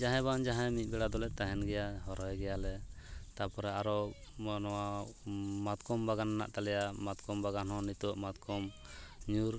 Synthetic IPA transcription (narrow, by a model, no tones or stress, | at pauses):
d͡ʒaɦɛ̃band͡ʒaɦɛ̃mit̪̚ˀbɛɽad̪ɔlɛt̪aɦɛnɡɛjahɔɾɔjɡɛjalɛt̪aɾpɔɾɛaɾɔmɔnɔwa | mat̪kɔmbaɡanana̰ʔt̪alɛjamat̪kɔmbaɡanɦɔ̃nit̪ɔʔmat̪kʰɔm | ɲuɾ